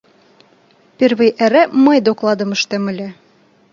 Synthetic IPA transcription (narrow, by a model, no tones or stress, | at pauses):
pʲervɘjʔæɾæmɤjd̪oklˠɑd̪ɤ̆mɤ̆ʃt̪æmɘ̆lʲæ